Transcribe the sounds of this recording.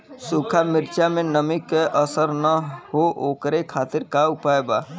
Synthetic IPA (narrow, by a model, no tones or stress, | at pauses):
sukʰamɪɾt͡ʃamẽnəmikeʔəsəɾnəɦoʔoːkɾekʰaːt̪ɪɾkaʊpajbaː